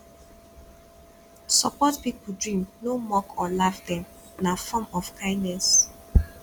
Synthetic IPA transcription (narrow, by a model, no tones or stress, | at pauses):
sɔ̰pɔtpipudɹĩmnomɔkʰɔlafdɛ̃m | nafɔmɔfkʰãɪ̃dnɛs